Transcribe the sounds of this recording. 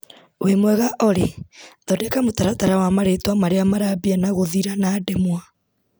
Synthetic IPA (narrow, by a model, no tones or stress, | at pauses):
wemwɛɣaʔɔɾeðɔdekamotaɾataɾawamaɾetwamaɾeamaɾaβianaɣoðiɾanaːdɛmwa